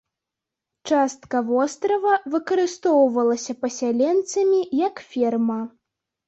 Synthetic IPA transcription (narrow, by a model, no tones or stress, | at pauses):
t͡ʂast̪kɐvɔst̪ɾɐvɐvɨkɐɾɨst̪ɔwvɐlˠɐsʲɐpɐsʲalʲɛnt̪sɐmʲijɐkfʲɛrmɐ